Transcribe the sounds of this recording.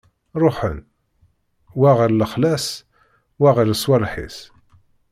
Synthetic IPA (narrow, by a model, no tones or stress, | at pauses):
ɾˤoħə̰n | wæʁəɾləχlæs | wæʁələswælħḭs